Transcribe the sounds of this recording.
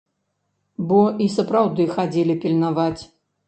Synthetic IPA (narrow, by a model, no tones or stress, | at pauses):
bɔisɐpɾawd̪ɨxad͡zʲɛlʲipʲilʲnavat͡sʲ